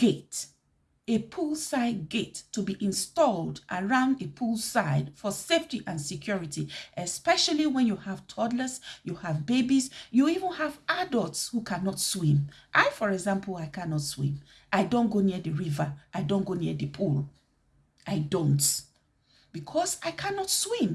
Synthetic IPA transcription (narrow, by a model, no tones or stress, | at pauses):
ɡ̥et | epʰulˠsaɪd̚ɡetʰːubiʔĩnstɔlˠdʔəɹãʊ̃ndepʰulˠsaɪd̥fɔseftiʔãnsɪkʰjɔɹitiʔɛspɛʃaliwɛ̃njuhav̥tʰɔdləzjuhavbebisjuivə̃navadəlˠtshukʰãnɔtswĩmʔaɪfɔɹɛɡzãmpʰl̩ˠaɪkʰanɔtswḭ̃m | ʔaɪdõnɡoniəðəɹivəʔaɪdõnɡoniəðəpʰulˠ | ʔaɪdõnt | b̥ikʰɔsaɪkʰanɔtswĩm